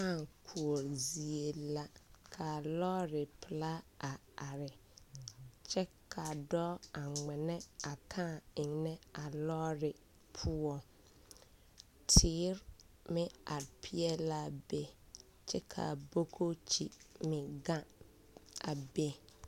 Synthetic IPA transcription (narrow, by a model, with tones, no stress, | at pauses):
ã˦˨ŋkʰu˨o˨ɾzi˨e˨la˨kʰa˨lɔ˦ɾɪ˨pʰla˦a˨ | a˨ɾɪ˨ | t͡ʃʰɛ˦kʰa˨dɔ˦a˨ŋ͡mɪ̃˨nɛ̃˦a˨tʰã˦ɪ̃˨ŋnɛ̃˦a˨lɔ˦ɾɪ˨ | pʰu˦ɔ˨ | tʰɪː˨˦ɾ | mɪ̃˦a˨ɾpʰi˦ɛ˦la˦˨be˦ | t͡ʃʰɛ˦kʰa̰˨bo˦kʰo˦t͡ɕʰi˦mɪ̃˨ɡã˦ | a˨be˦